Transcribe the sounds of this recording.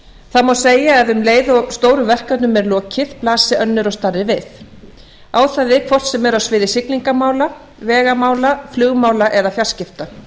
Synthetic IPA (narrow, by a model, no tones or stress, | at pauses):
θamawseːjaɛðʏmleːjðst̪oːwɾʏvɛr̥kat̪nʏmɛɾlɔːcʰɪð̥plaːsɪœnːʏɾɔst̪arðɪvɪθ | aːwθaðɪkʰvɔr̥t̪sɛmɛɾawsvɪːðɪsɪkliŋkamaːwla | vɛːɣamaːwlaflʏɣmaːwlaʔɛðafjal̥scɪft̪a